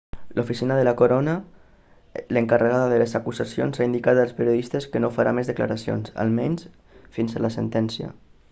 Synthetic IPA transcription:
lofisinəðəlakoɾonə | ləŋkarəɣaðəðəlezakuzasio̰nzaind̪ikat̪əlˠspeɾioðist̪əskənofaɾamezðəkla̰ɾasio̰nsa̰lˠmɛɲs | finzəlasḛnt̪ɛnsiə̰

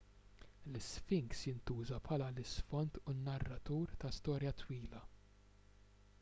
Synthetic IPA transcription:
lɪsfɪŋksjɪnt̪uːzɐpʰħɐːlɐlɪsfɔnt̪unːɐrːɐt̪uːɾt̪ɐst̪ɔːɾjɐt̪wiːlɐ

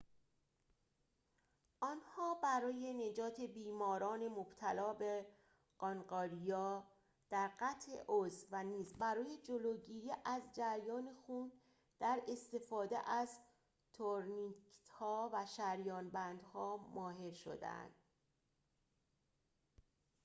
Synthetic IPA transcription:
ʔɒnhɒːbæɾɒːje̞ne̞d͡ʒɒːt̪ʰe̞biːmɒːɾɒːne̞mob̥t̪ʰælɒːbe | ɢɒnɢɒːɾijɒː | d̪̥æɾɢæt̪ʰʔe̞̰ʔozvæniːzbæɾɒːje̞d͡ʒoloːɟiːɾiːʔæzd͡ʒæɾjɒːne̞xuːn | d̪̥æɾe̞st̪e̞fɒːd̪ḛʔæz | t̪ʰoɾnit̪hɒːvæʃæɾjɒːnbænd̪̥hɒːmɒːɦe̞ɾʃo̞̰d̪ḛæ̰nd̪̥

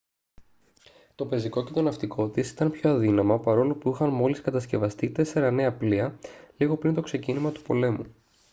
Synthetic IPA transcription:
t̪o̞pe̞ziko̞ce̞t̪o̞nɐft̪ikʰo̞t̪isi̥t̪ɐnpço̞ɐðinɐmɐpɐɾo̞lopuixɐnmo̞liskɐt̪ɐsce̞vɐst̪it̪e̞se̞ɾɐne̞ɐpliɐliɣo̞pɾint̪o̞kse̞cinimɐt̪u̥po̞̰le̞mu

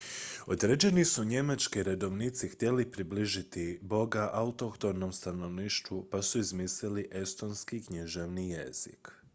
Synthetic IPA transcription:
o̞d̪ɾed͡ʑe̞nisuɲe̞mat͡ʃkiɾe̞d̪o̞ʋnit̪sixt̪ʲje̞lipɾibliʒit̪ibo̞ɡaʔaut̪okt̪oɾno̞mst̪ano̞ʋniːʃt̪ʋupasuizmisliliʔe̞st̪o̞nskikɲiʒeʋnijḛz̥ḭk

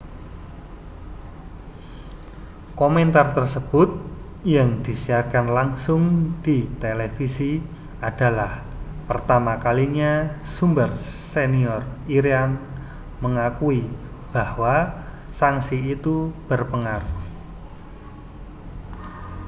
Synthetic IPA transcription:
koment̪art̪ərsəb̥ʊt̪̚ | jaŋd̪̥isiarkanlaŋsʊŋd̪̥it̪elefisi | ad̥a̤lah | pərt̪amakaliɲasumbərː | eniɔriɾian | məŋakui | b̥ahwa | saŋsiit̪ub̥ərpəŋaɾuh

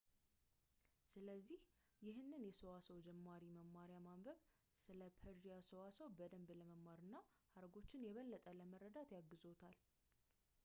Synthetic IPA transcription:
sɨləzːih | jɪɦɨnːɨnjɛsəwasəwd͡ʒɛmːaɾiməmːaɾjamambəβ | sɨləpʰəɾd͡ʒijasəwasəwbəd̪əmbləməmːaɾɨnːa | haɾɡo̞t͡ʃːɪnjɛβəlːət̪ʼələmərːəd̪at̪jaɡːɨzo̞t̪ʰal

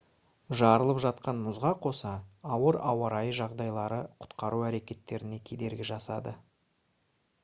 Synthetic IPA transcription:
ʒɑɾəlˠəpʒɑt̪qɑnmʊzʁɑqʰo̞sɑːwəɾɑwɑɾɑjəʒɑʁd̪ɑjlˠɑɾəqʰʊ̥t̪qɑɾuæɾe̞kʲe̞t̪ːe̞ɾɪne̞kʲʰe̞d̪e̞ɾɡʲɪʒɑsɑd̪ə

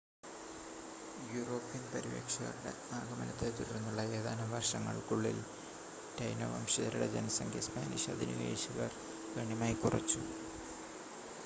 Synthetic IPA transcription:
juroːpːijɐnpɐɾiʋḛkʂɐɣɐ̰ruɽḛ | aːɡɐmɐnɐt̪ːet̪uɾɐrnːuɭːɐjeːðaːnɐʋɐrʂɐŋːɐ̰ɭkuɭːḭl | tɐjnɐ̰ʋɐ̰mɕiðɐɾuɽed͡ʑenɐsɐŋɡʰʱjɐspaːnḭʂɐ̰d̪ʱinḭlḛːɕiɣɐr | kɐɳimaːjkurɐ̰t͡ɕːu

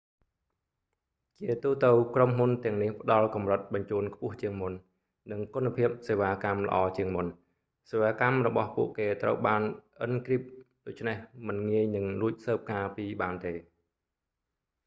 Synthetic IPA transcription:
t͡ɕiət̪uːt̪ɨwkromɦunt̪ɛ̆əŋnihpə̆ɗɑlkɑmrət̪̚ɓɑɲt͡ɕuːnkʰpʊ̆əht͡ɕiəŋmun | nɨŋkunapʰiəp̚seːʋaːkamlə̰̆ʔɑːt͡ɕiəŋmun | seːʋaːkamrɔɓɑhpṵəʔkeːt̪rə̰wɓaːnʔənkriəp̚ | ɗoːc̚t͡ɕʰnehmɨnŋiəjnɨŋruəc̚səːp̚kaːpiːɓaːnt̪eː

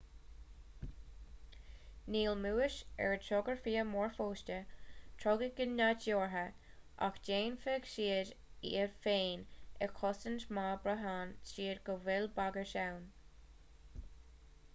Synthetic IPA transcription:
niːlmuːɪʃɛ̰ɹtʰɔɡəɹfiːəmɔɹfoːʃtətʰɹɔɡəɡɪnːat͡ʃjoːɹɦə | ʔa̰xd͡ʒeːnfɛɡʃiːəɾḭəɹfeːnɛkʰɔsəntmaːbɾəɦaːnsiːədɡəwɛlbaɡəʃawn

